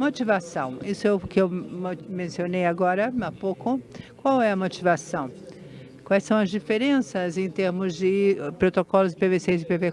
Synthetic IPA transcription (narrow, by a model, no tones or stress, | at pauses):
mot͡ʃivasɐ̃w̃isʊewkɪewmẽsionejaɡɔɾɐapowkʊkwawɛɐmot͡ʃivasɐ̃w̃ | kwajsɐ̃w̃ɐzd͡ʒifeɾẽsɐzẽj̃t̪eɾmʊzd͡ʒɪpɾot̪okɔlʊzɪpevesezɪpeve